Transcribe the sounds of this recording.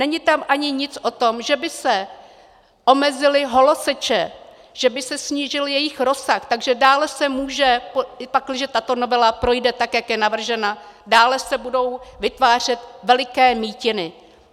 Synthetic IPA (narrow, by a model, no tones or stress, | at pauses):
nɛɲɪt̪amʔaɲɪɲɪt͡sʔo̞t̪o̞mʒɛbɪsɛ | ʔo̞mɛzɪlɪɦo̞losɛt͡ʃɛ | ʒ̥ɛbɪsɛsɲiːʒɪljɛjɪxɾo̞saxt̪aɡʒɛdaːlɛsɛmuːʒɛpoɪpaklɪʒɛt̪at̪o̞no̞vɛlapɾo̞jdɛt̪akjakjɛnavr̩ʒɛna | daːlɛsɛbudo̞wvɪt̪vaːr̝ɛt̪vɛlɪkɛːmiːcɪnɪ